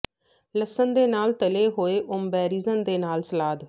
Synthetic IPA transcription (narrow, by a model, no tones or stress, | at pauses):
ləsənd̪eːnaːlt̪əleːɦoːeːʔʊmbɛːɾiːzənd̪eːnaːlsəlaːd̪